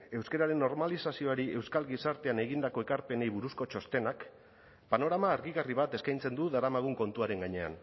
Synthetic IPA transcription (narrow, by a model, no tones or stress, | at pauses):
e̞wskeɾaɾe̞nːo̞ɾmalisasio̞aɾiʔe̞wskalɣisaɾt̪e̞ane̞ɣind̪ako̞e̞kaɾpe̞ne̞jβuɾusko̞t͡ʃo̞st̪e̞nak | pano̞ɾamaːɾɣiɣariβat̪e̞skajnt͡se̞nd̪uðaɾamaɣ̞uŋko̞nt̪uaɾe̞ŋɡaɲe̞a̰n